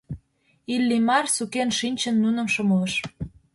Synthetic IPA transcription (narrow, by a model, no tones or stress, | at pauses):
ilːimɑrsukenʃinʲt͡ɕə̆nːunə̆mʃɤmələʃ